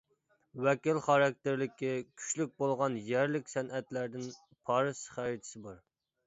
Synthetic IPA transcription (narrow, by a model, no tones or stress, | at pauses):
wɛkʲilχɑɾɛk̚ʲt̪ɪɾlɪkʲikʲʰy̥ʃlyk̚ʲbolˠʁɑnjæɾlɪkʲsɛnʔɛt̪læɾd̪ɪn | pʰɑɾɨsχæɾɪt̪ʰɪ̥sɪbɑɾ